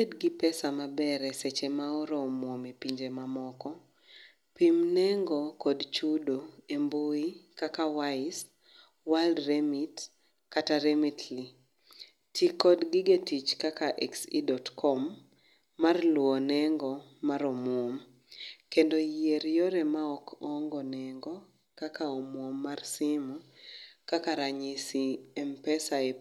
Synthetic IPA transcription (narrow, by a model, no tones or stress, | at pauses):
edɡipɛsamabɛɾɛset͡ʃemaɔɾɔmwomepiɲd͡ʒemamɔkɔ | pimnɛŋɡɔkɔdt͡ʃudoemboikakawaɪs | waldremit | kataɾemitʰli | tikɔdɡiɡetit͡ʃkakaʔɛksidɔtkʰɔmː | arlwɔnɛŋɡɔ | maɾɔmwom | kendojieɾjɔɾɛmaɔkɔŋɡɔnɛŋɡɔ | kakaomwomːarsimukakaɾaɲisiɛmpɛsae